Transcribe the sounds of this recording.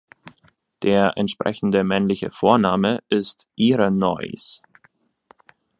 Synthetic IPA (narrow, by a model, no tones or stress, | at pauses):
d̥eːɐʔɛntʃpʁ̥ɛ̰çn̩dəmɛnlɪçə̰foːɐnaːməʔɪstʔiːʁənɔ̰ʏs